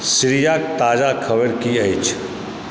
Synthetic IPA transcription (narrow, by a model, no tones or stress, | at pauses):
sɾijaːk̚t̪aːd͡ʒakʰɐwəɾkiɐɪt͡ʃʰ